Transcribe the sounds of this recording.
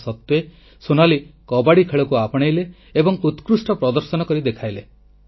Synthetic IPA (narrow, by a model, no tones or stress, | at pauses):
sɔt̪ːe | sunalikɔbaɽikʰeɭɔkuapɔɽ̃ejleː | bɔŋut̪kɾusʈɔpɾɔd̪ɔɾsɔnɔkɔɾid̪ekʰajle